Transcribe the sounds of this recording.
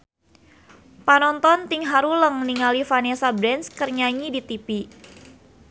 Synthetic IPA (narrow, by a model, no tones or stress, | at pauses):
panɔnt̪ɔnt̪iŋɦaɾuləŋniŋalifanesabɾɛnskərɲaɲidit̪ipi